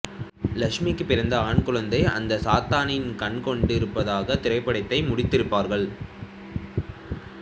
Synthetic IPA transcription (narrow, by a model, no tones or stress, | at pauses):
lɐkʂmikːɯpːɪɾɐnd̪ɐaːɳkʊɭɐnd̪ɐɪʔɐ̰nd̪ɐsaːt̪aːnɪnkɐɳkɔɳɖɪɾɯpːɐðaːɣɐt̪ɪɾɐɪpːɐɽɐɪt̪ːɐɪmʊɽɪt̪ːɪɾɯpːaːɾɣɐɭ